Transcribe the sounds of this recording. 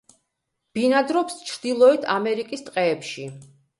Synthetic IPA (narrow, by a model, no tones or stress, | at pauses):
b̥inad̪ɾɔpst͡ʃʰɾd̪ilˠɔit̪ʰamɛɾikʼist̪ʼqʼɛːpʃi